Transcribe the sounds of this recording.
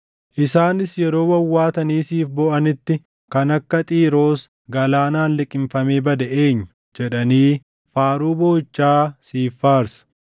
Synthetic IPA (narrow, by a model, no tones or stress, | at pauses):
ʔɪsaːnɪsjɛɾo̞ːwɐwːaːt̪ɐniːsiːfbɔʔɐnɪt̪ːɪ | kɐnɐkːɐt̪ʼiːɾo̞ːs | ɡɐlaːnaːnlɪkʼːɪmfɐmeːbɐd̪ɐʔe̞ːɲːʊ̥ | d͡ʒɛᶑɐniː | faːɾuːboːɪt͡ʃːaːsiːfːaːɾsɐ̥